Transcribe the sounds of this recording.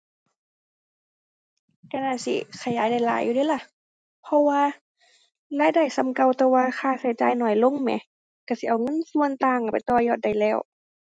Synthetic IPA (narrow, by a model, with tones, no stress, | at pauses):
ka˧naː˧˩sḭ˧˦xʰa˧˩jːaː˨˦jna˧˩jla̰ː˨˦jːu˧diː˧˦˨la˧˩˨ | pʰɔ˧waː˧˨ | laː˧˥˨jda˧˩˨jsa˧˨mka˧˨wt̪ɛː˧waː˧xʰaː˧˩sa˧˩jt͡ɕaː˧˨jnɔː˧˩jlo˧˥˨ŋmɛ̰˧˦ | ka˧˩˨si˧˦ʔa˨˩wŋɤ˧˥˨nsu˧ə˨nt̪aː˧˨ŋka˨˩pa˨jt̪ɔː˧jɔː˧˩t̪̚da˧˩jlɛː˧˩w